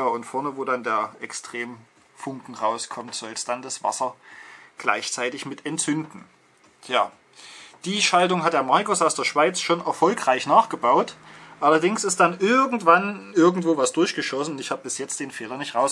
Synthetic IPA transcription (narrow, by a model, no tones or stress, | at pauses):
jaːʊntfɔɐnəvoːdandeːɐʔɛkstʁ̥eːm | fʊŋkŋ̩ʁaʊskʰɔmtz̥ɔlsd̥andasv̥a̰sɐɡ̥la̰ɪçt͡saɪtɪçmɪtʰɛntt͡sʏndn̩ | jaː | d̥iːʃalt̬ʊŋɦat̚d̥eːɐmaɐkʊsaʊsd̥eːɐʃv̥aɪt͡sʃoːnɛɐfɔlkʁ̥aɪçnaːχɡ̥əbaʊtʔalɐdɪŋsɪst̚d̥anʔɪɐɡŋ̩tv̥anʔɪɐɡŋ̩tv̥oːvasd̥ʊɐçɡ̥əʃɔsn̩ʊntɪçhaːbəbɪsjɛt͡st̚d̥eːnfeːlɐnɪçtʁaʊs